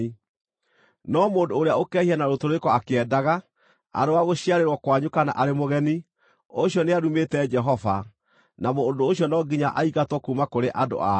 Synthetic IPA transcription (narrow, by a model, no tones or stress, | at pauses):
nɔmoːndoːɾeaokɛhianaɾotoɾoekɔakeɛdaɣa | a̰ɾoaɣoɕiaɾeɾwɔkwaɲokana̰ʔaɾemoɣɛni | oɕjɔneaɾumetɛd͡ʒɛɦɔva | namoːndoːɕjɔnɔɡiɲaʔaiɣatwɔkumakoɾeʔado̰a